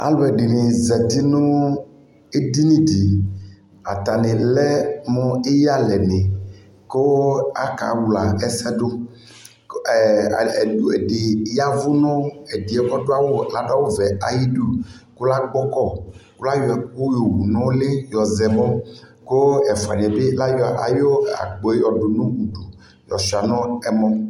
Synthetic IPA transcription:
a̰˨lo˨ɛ˨ɖe˨ne˨zɛ˨t̪i˦nõ˦ | e˦d̪i˦nĩ˦di˨ | a̰˨t̪a˨nẽ˨lɛ˦mɔ̃˦e˦ja˦lɛ˨nẽ˨ | ko˦a̰˦ka̰˨wla˨ɛ˨sɛ˦ɖo˦˨ | u˨e˨ɖe˨ja˦vu˦nɔ̃˦e˨di˨ɛ˦kɔ˦ɖo˦a˦wo˦la˦ɖa˦wo˦vɛ˨a˨ji˦ɖu˦ko˦la˦ɡ͡bɔ˦kɔ˦˨ko˦la˦jɔ˨ko˦jo˨wu˨nɔ̃˦le˦jɔ˨zɛ˨mɔ̃˦ | ko˦ɛ˨fa̰˨n˨ɛ̃˨be˦la˦ja̰˨jo˦a̰˨ɡ͡bɔ˨e˦jɔ˨ɖo˨nũ˦wu˨ɖu˨ | jɔ̰˨si˨a˨nɔ̃˦ɛ˦mɔ̃˦

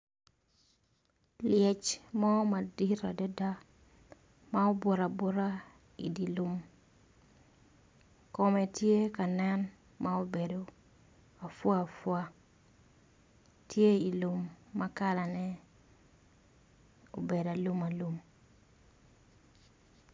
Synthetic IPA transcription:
ljɛ˨t͡ʃmɔ˦ma˨di˦ɾa˨dɔ˦da˦ | ma˦o˦bo˨ɾa˨bo˦ɾa˦ | ḭ˨di˨lu˦m | kɔ˨mɛ˨tje˦ka˨nɛ˦n | mʔa˦o˦be˨do | a˨fwa˦a˨fwa˦ | tʰje˦i˨lu˨mːa˦ka˦la˨nɛ˦ | o˨be˨da˨lu˦ma˨lu˦m

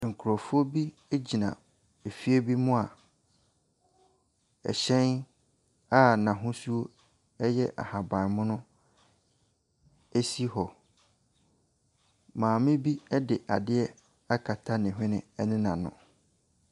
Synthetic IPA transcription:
ŋ̩˨kʰʊ˨ɾɔ˨fʊ˦o˦bi˦ | e˦d͡ʑi˨nã̰˨ | e˨fi˦e˦bi˦mʊ̃˦a˨ | ɛ̰˨ɕɛ̃˦n | a˦nã˨ɦʊ̃˦su˦o˦ | ɛ˦jɛ˦ʔa̰˨ha˨bã˨nmʊ̃˦nʊ̃˦ | e˦si˦hɔ˨ | mãː˨mɪ̃˦bi˦ɛ˦dɪ˨ʔa̰˨dɪ˦ɛ˦ | a˦kʰa˨tʰa˦nɪ̃˨ɦᶣɪ̃˦nɪ̰̃˨ɛ˦nɪ̃˦nã˨nʊ̰̃˨

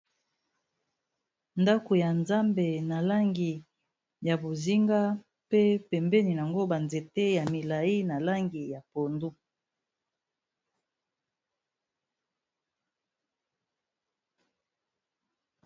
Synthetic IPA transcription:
nda˦ko˨ja˨nza˦mbe˨na˨la˦ŋɡi˨ | ja˨bo˨zi˦ŋɡa˦ | pe˦pɛ˨mbɛ˦ni˨na˨ŋɡo˦ba˨nze˨te˦ja˨mi˨la˨i˦na˨la˦ŋɡi˨ja˨po˨ndu˦

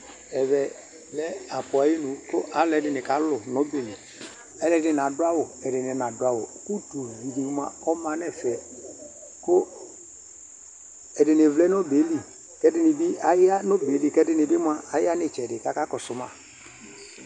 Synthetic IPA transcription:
ɛ˨βɛ˨ | lɛ˦a˨pʊ˨a˨˦ji˦nʊ˨kʊ˦ʔa˨˦lɛ˦dɪ˨nɪ˨ka˨lʊ˨nɔ˦be˨li˨ | ɛ˦lɛ˦dɪ˨n˨a˨da˦wʊ˨ɛ˨dɪ˨nɪ˨˦n˨a˨dʊ˨˦a˦wʊ˨ku˦tu˨vi˨di˨˦m˦a̰˨ɔ˦mã˨nɛ˦˨fɛ˨ | kʊ˦ | ɛ˨dɪ˨nɪ˨vlɛ˦n˦ɔ˦be˨˦li˨ | kɛ˦dɪ˦nɪ˨bi˦a˨ja˦no˦be˨˦li˨kɛ˦dɪ˦nɪ˨bɪ˦m˦a˦a˨jɪ˦a˦nɪ˨t͡ʃɛ˨dɪ˨ka˦ka˦kɔ˨sʊ˨ma˦˨

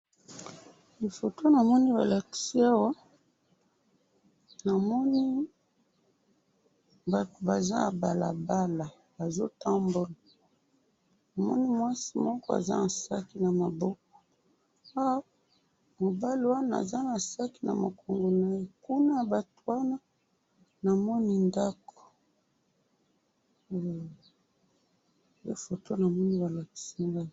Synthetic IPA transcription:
li˨fo˨to˦na˨mɔ˦ni˦ba̰˨la˨ki̥˦si˦a˦wa˦ | na˨mɔ˦ni˦ | ba˨to˨ba˨za̰˦a˨ba˨la̰˨ba˦la˨ | ba˨zo˦ta˦mbo˦lḁ˨ | na˨mɔ˦ni˦mwa˦si˦mɔ˦kɔ˦a̰˨za̰˦na˨sa̰˦ki˨na˨ma˨bɔ˦k̚ɔ̥˨ | a˦w | mo˨ba˦li˨wa˦na˦˨a̰˨za˦na˨sa˦ki˨na̰˨ma˨kʰo˨ŋɡo˨na˦je˦ku˦na˦ja˨ba˨to̥˨wa˦na˦ | na˨mɔ˦ni˦nda˦ko̥˨ | be˦fo˨tʰo˦na˨mɔ˦ni˦ba˨la˨ki̥˨si˦ŋɡa˦˨

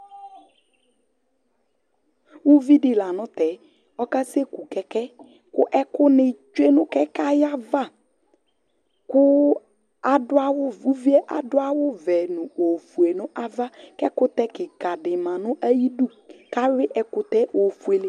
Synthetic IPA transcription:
u˦vi˦dɪ˨la˨nʊ̃˦t̪ɛ˨ | ɔ˦ka˦se˦ku˨kɛ˨kɛ˦ | kʊ˦ʔɛ˦kʊ˦nɪ˨t͡ʃu˦e˦nʊ̃˦kɛ˦ka˦ja˦va˦˨ | kʊ˦ | a˨dʊ˦a˦wʊ˦u˦vi˦ɛ˦ʔa̰˨dʊ˦a˦wʊ˦vɛ˨nʊ̃˨o˨fu˨e˨nʊ̃˦ʔa˦va˦kɛ˦kʊ˦t̪ɛ˦kɪ˨ka˨dɪ˨mã˨nʊ̃˦ʔa˦ji˦du˦ | ka˦ɾɪ˦ʔɛ˨kʊ˦t̪ɛ˦ʔo˨fu˨e˨lɪ˦

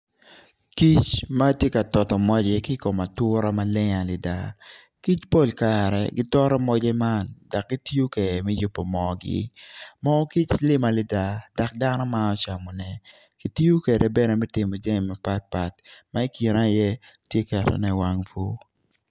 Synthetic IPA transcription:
ki˦t͡ʃma˦tje˦ka˨tɔ˨tɔ˨mɔ˦d͡ʒɛ˦kɪ˦ko˨ma˨tʊ˦ɾa˦ma˦lɪ˦ŋa˨lɪ˨da̰˦ | ki˦t͡ʃpo˦˨lka˨ɾɛ̰˨ɡɪ˦tɔ˦ɾɔ˦mɔ˦d͡ʒɛ˦ma˦˨nda˨k̚ɡi˦ti˦o˦ke˨dɛ˨mɛ˦jʊ˨pːɔ˨mɔ˦ɡɪ̰˦mɔ˦ki˦t͡ʃlɪ˦ma˨lɪ˦da˦d̥a˨k̚da˦nɔ˦ma˦ɔ˦t͡ʃa˨mɔ˨nɛ˦ | ki˨ti˦o˦ke˨dɛ˨bɛ˦nɛ˨mɛ˦tɪ˨mɔ˨d͡ʒɛ˦ŋ˨ma˨pa˦t̚pa˨tma˦i˦ki˨na˦˨jɛ˦ | tje˦kɛ˨tɛ̰˨nɛ˦wa˦ŋfo˦

